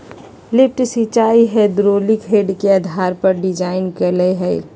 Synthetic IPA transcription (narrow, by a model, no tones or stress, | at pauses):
lɪp̚ʈsit͡ʃaːiɦɛd̪ɾoːlikɦeɖkeəd̪ʱaːɾpɐɾɖɪd͡ʒaːɪnkəleɦɛ